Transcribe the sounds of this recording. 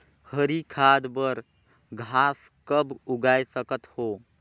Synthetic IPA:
həɾikʰad̪bəɾ | ɡʱas | kəbuɡajsəkət̪ho

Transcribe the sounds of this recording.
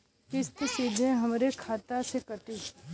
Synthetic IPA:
kɪst̪siːd̪ʱẽɦɐmɾekʰaːt̪asekəʈiː

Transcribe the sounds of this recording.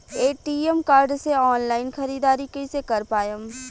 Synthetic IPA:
eːʈiːemkaːɾɖseɔːnlaːɪnxɐɾiːd̪aːɾikəisekɐɾpaːjəm

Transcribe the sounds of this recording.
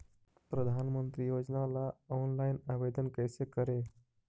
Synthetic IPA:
pɾəd̪ʱanmənt̪ɾijod͡ʒnalaɔnlajnaʋed̪ənkəjsekəɾe

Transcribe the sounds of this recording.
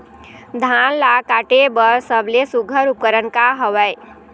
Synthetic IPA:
d̪ʱanlakaʈebəɾsəblesuɡʱəɾup̚kəɾənkaɦəʋəj

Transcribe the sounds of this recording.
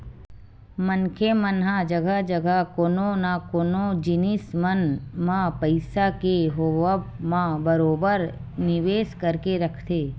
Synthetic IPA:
mənkʰemənɦãd͡ʒəɡad͡ʒəɡakoːnõnakoːnõd͡ʒɪnɪsmənmãpəɪsakeɦoʋəmãbəɾoːbəɾnɪʋeːskəɾkeɾɐkʰt̪eː

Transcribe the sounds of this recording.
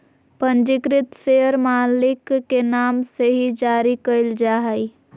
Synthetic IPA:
pənd͡ʒɪkɾɪt̪seəɾmaːlɪkːenaːmseɦid͡ʒaːɾikəɪld͡ʒaːɦəi

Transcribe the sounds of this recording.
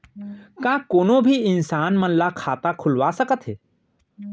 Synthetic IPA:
kãːkoːnobʱiɪnsaːnmənlakʰaːt̪akʰʊlʋasəkət̪ɦeː

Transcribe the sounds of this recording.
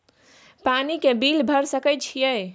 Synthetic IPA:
panikebilbʱəɾsəkəjt͡ʃʰijəj

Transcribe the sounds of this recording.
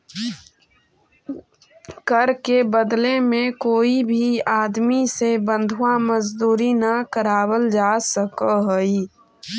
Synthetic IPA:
kəɾkebəd̪lemẽkoːibʱiaːd̪misebə̃nd̪ʱuaməd͡ʒd̪uːɾinakəɾaːwəld͡ʒaːsəkəɦəi

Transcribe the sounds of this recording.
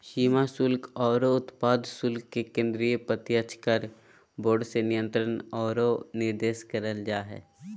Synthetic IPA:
ʃiːmasʊlkʰɔːɾoʊt̪paːd̪sʊlkːekẽːnd̪ɾijəpət̪jət͡ʃkəɾ | boːɖsenɪjə̃nt̪ɾənɔːɾonɪɾd̪eːʃkəɾəld͡ʒaːɦɛ̰ː

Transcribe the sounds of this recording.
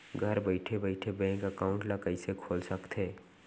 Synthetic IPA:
ɡʱəɾbəɪʈʰebəɪʈʰebɛ̃ːŋkəkaːʊ̃ɳʈlakəisekʰoːlsəkt̪ɦeː

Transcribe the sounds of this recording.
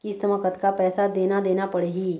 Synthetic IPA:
kɪst̪əməkət̪kapɛːsad̪eːnad̪eːnapɐɽeɦiː

